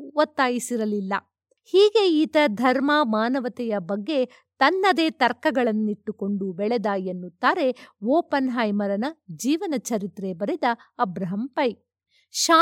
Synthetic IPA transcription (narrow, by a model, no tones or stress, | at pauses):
ʋɐt̪ːaːjisiɾɐlilːɐ̰ | hiːɡe̞iːt̪ɐd̪ʱɐɾmɐmaːnɐʋɐt̪ɛjɐbɐɡːe̞ | t̪ɐnːɐd̪e̞ːt̪ɐɾkɐɡɐɭɐnːiʈːuko̞ɳɖubɛɭed̪aːjenːut̪ːaːɾe̞ʋɔːpɐnɦaːjmɐɾɐnɐd͡ʒiːʋɐnɐt͡ʃɐɾit̪ɾebɐɾed̪ɐɐbɾɐɦɐmpɐj | ʃaː